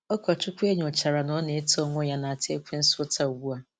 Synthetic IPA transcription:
ɔ˦kʷɔ˨t͡ʃʊ˦kʷʊ˦e˦ɲ˨o˨t͡ʃa˨ɾa˨nɔ˦ne˨e˦tɔ˦ŋʷʊ˦ja˦na˨a˨te˦kʷe˦n̩˦sʊ˦tʰa˦u˨ɡu˦a˦

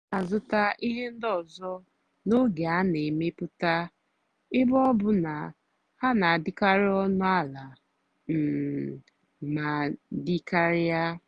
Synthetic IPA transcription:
a˨zʊ˦ta˦ʔi˦ɦe˦n̩˦dɔ˨zɔ˦ | no˦ɡe˨a˦ne˨me˦pʊ˦ta˦ | ɪ˦bɔ˦bʊ˨na˨ | ha˦na˨a˨dɪ˦ka˦ɾɪ˦ɔ˦nʊ˦a˦la˨ | m̩˨ | ma˨di˦ka˦ɾɪ˦a˦

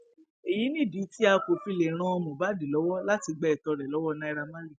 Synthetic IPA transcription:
e˨ji˨˦nĩ˦˨di˨˦ti˦a˧ko˨fi˧le˨ɾ̃ã˧ɔ˧mɔ̃˨ba˨˦di˨lɔ˨˦wɔ˦la˦ti˧ɡ͡bɛ˦˨tɔ˨˧ɾɛ˨lɔ˨˦wɔ˦˧nã˧i˧ɾa˧mã˦ɾi˦

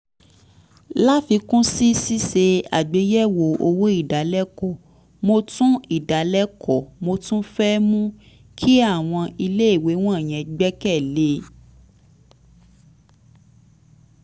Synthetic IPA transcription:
la˦fi˧kũ˦si˦si˦se˧a̰˨ɡ͡be˨˦jɛ˦˨wo˨o˧wo˦i˦˨da˨˦lɛ˦kɔ˦˨ | mo˧tũ˦i˦˨da˨˦lɛ˦kʰɔ˨mo˧tũ˦fɛ˦mũ˦ | kʰi˦a˦˨w̃ɔ̃˧i˧le˦i˦˨we˨˦w̃ɔ̃˦˨j̃ɛ̃˨˧ɡ͡bɛ˦kɛ˦˨le˦

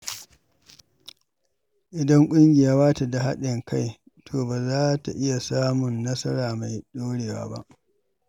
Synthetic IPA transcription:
ʔɪ˨dɐ˦ŋkʷʼʊ˦ŋɡʲɪ˨jaː˦baː˦ta˨da˨ɦa̰˦ɗɪ˨ŋkʰa˦j | tʰoː˨baː˨zaː˦ta̰˨ʔɪ˦ja˨saː˦mʊ˨nːɐ˦sɐ˦ɾaː˨ma˨jɗoː˦ɽeː˨wa̰ː˦ba̰˦ʔ

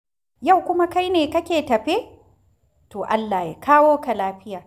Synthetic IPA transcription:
ja˦˨wkʷʊ˦ma˦ka˦jneː˨kɐ˦kʲeː˨tɐ˨ɸe˦ | toː˨ʔa˦lːaː˨ja˨kʰaː˦woː˦ka˨laː˦ɸɪ˦jaː˨

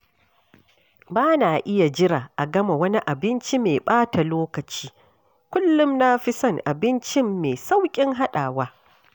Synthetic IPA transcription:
baː˦naː˨ʔɪ˦ja˨d͡ʒɪ˦ɾaː˨ʔa˨ɡɐ˦ma˨wɐ˦ni˦ʔa˨bɪ˦nt͡ʃi˦meː˨ɓaː˦ta˨loː˦kɐ˨t͡ʃiː˦ | kʷʊ˦lːʊ˦mnaː˦ɸɪ˦sɐ˦ŋʔa˨bɪ˦nt͡ʃɪ˦mːeː˨sa˦wkʲʼɪ˦ŋɦa˦ɗaː˨waː˦

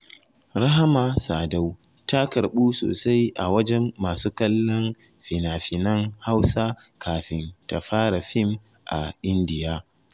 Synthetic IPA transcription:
ɾa˦ɦa˦ma˨saː˨da˦w | ta˦kɐ˨ɾɓuː˦so̰ː˨sa˦jʔa˨wɐ˦d͡ʒɛ˦mːaː˨suː˦kɐ˦lːɐ˦n | ɸɪ˨naː˨ɸɪ˨nɐ˦ŋha˦wsaː˦kʰaː˨ɸɪ˦nta˨ɸaː˦ɽa˨ɸɪ˦m | ʔa̰˨ʔɪ˦ndɪ˨jaː˦

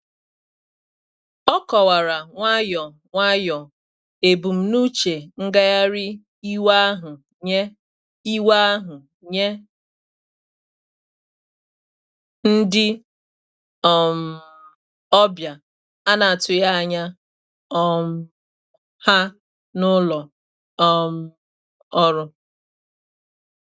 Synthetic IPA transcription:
ɔ˦kɔ˨wa˨ɾa˨ŋʷa˦jɔ˨ | ŋʷa˦jɔ˨ | e˨bu˨m̩˨nu˦t͡ʃe˨ŋ̩˦ɡa˦ja˦ɾɪ˦ | i˦wa˦a˦ɦʊ˨ | ɲe˦ | i˦wa˦a˦ɦʊ˨ | ɲe˦ | n̩˦dɪ˦ | ɔ˨m̩˨ | ɔ˦bja˨ | a˦na˨a˨tʊ˨ja˦˨ɲa˦ | ɔ˦m̩˦ | ha˦ | nʊ˦lɔ˨ | ɔ˦m̩˦ | ɔ˦ɾʊ˦

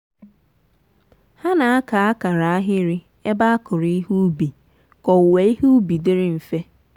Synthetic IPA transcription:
ha˦na˨a˦ka˨a˦ka˨ɾa˨a˦ɦɪ˦ɾɪ˦ | e˦ba˦a˦kʊ˨ɾɪ˦ɦu˦bi˨ | kɔ˨we˦i˦hu˦u˦bi˨dɪ˦ɾɪ˦m̩˨fe˦

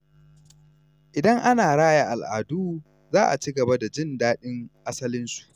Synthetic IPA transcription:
ʔɪ˨dɐ˦ŋʔa˦naː˨ɽaː˦ja˨ʔa˨lʔa̰ː˨duː˦ | zaː˦ʔa˨t͡ʃiː˦ɡɐ˨ba˦da˨d͡ʒɪ˦ndaː˦ɗɪ˦ŋʔa˦sɐ˦lɪ˦nsu̥˨ʔ

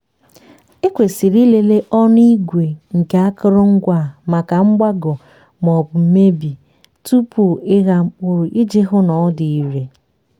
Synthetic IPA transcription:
e˦kʷe˨si˨ɾi˦le˨le˦ʔɔ˦n˦i˦ɡʷe˨ŋ̩˨ka˨a˦kʊ˦ɾʊ˦ŋ̩˦ɡʷa˦˨ma˨ka˨ŋ͡m̩˦ɡ͡ba˦ɡɔ˨ | m˨ɔ˨bʊ˨m̩˦me˦bi˨ | tu˦pu˨ɪ˦ɣa˦k͡pʊ˦ɾʊ˨ʔi˦d͡ʒe˦ɦʊ˦nɔ˨ɔ˦di˨i˨ɾe˨

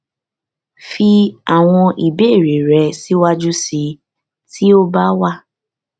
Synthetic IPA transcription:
fi˧a˨w̃ɔ̃˧ʔi˨be˦˨ɾi˨ɾɛ˨˧˦si˦wa˦d͡ʒu˦si˧ | ti˦o˦ba˦wa˦˨

